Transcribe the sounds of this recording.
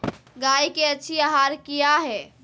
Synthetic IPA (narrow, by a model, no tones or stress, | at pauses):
ɡaikeəːt͡ʃʰiaɦaɾkijaɦɛ